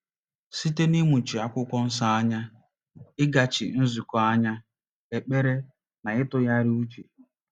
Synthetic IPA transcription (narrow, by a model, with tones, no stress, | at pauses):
si˦te˦ni˦mu˨t͡ʃi˨a˨kʷʊ˦kʷɔ˦n̩˦s̬a˦a˦ɲa˦ | ɪ˦ɡa˨t͡ʃɪ̰˨n̩˦zu˨kɔ˨a˦ɲa˦ | e˨k͡pe˦ɾe˦ | na˨ɪ˦tʊ˦ja˦ɾɪ˦u˦t͡ʃe˨